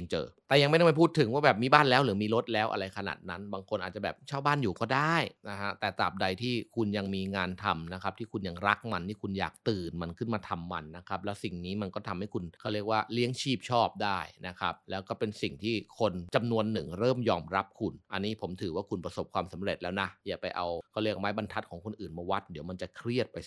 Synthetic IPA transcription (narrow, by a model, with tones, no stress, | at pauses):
t͡ɕɤ̰ː˨˩t̪ɛː˨˩ja˧ŋma˥˩n˥˩ma˥˩pʰuː˥˩t̪ʰːɯ˩˦ŋwaː˥˩bɛː˨˩p̚miː˧baː˥˩nlɛː˦˥wlɯː˩˦miː˧ɾo˦˥t̪̚lɛː˦˥wʔa̰˧ɾa˧jkʰa˧na̰ː˨˩t̪̚na˦˥nbaː˧ŋkʰo˧nʔaː˨˩t̪̚t͡ɕa˨˩bɛː˨˩p̚t͡ɕʰaː˥˩wbaː˥˩njuː˨˩kɔː˥˩daː˥˩jna˦˥kʰa˦˥t̪ɛː˨˩t̪a̰ː˨˩p̚da˧jt̪ʰiː˥˩kʰu˧nja˧ŋmiː˧ŋaː˧nt̪ʰa˧mna˦˥kʰa˦˥p̚t̪ʰiː˥˩kʰu˧nja˧ŋɾa˦˥k̚ma˧nt̪ʰiː˥˩kʰu˧nja̰ː˨˩k̚t̪ɯː˨˩nma˧nkʰɯ˥˩nmaː˧t̪ʰa˧mːa˧nːa˦˥kʰa˦˥p̚lɛː˦˥wsi˨˩ŋniː˦˥ma˧nkɔː˥˩t̪ʰa˧mha˥˩jkʰu˧nʰa˥˩ɾi˥˩ək̚waː˥˩li˦˥əŋt͡ɕʰiː˥˩p̚t͡ɕʰɔː˥˩p̚daː˥˩jna˦˥kʰa˦˥p̚lɛː˦˥wkɔː˥˩pe˧nsi˨˩ŋt̪ʰiː˥˩kʰo˧nt͡ɕa˧mnu˧ənːɯ˨˩ŋɾɤː˥˩mjɔː˧mɾa˦˥p̚kʰu˧nʔa˧nːiː˦˥˩pʰo˩˦mt̪ʰɯː˩˦waː˥˩kʰu˧npɾa˧so˨˩p̚kʰwaː˧msa˩˦mɾe˨˩t̪̚lɛː˦˥wna˦˥jaː˨˩pa˧jʔa˧wkʰɔː˥˩ɾli˥˩ək̚maː˦˥jba˧nt̪ʰa˦˥t̪̚kʰɔː˩˦ŋkʰo˧nʔɯː˨˩nmaː˧wa˦˥t̪̚di˨˦əwma˧nt͡ɕa˨˩kʰɾi˥˩ət̪̚pa˧j